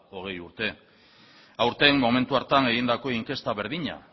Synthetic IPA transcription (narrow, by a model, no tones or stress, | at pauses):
o̞ɣ̞e̞juɾt̪e̞ | awɾt̪e̞mmo̞me̞nt̪uaɾt̪ane̞ɣind̪ako̞iŋke̞st̪aβe̞ɾðiɲa̰